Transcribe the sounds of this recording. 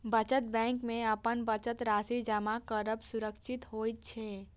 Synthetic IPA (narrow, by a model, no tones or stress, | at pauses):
bət͡ʃət̪̚bɛ̃ːŋkmẽəpənbət͡ʃət̪ɾaːsid͡ʒəmakəɾəbsʊɾəkʃɪt̪ɦoːit̪̚t͡ʃʰɛː